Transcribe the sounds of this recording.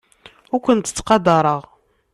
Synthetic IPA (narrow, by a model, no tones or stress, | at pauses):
ʊɾkʷənt̪t͡sːqɑd̪ɑɾˤəʁ